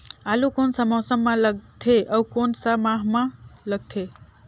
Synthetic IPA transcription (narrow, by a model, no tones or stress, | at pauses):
alukonsamɔsəmːãləɡ̚t̪ʰeʔəukonsamãɦmãləɡ̚t̪ʰe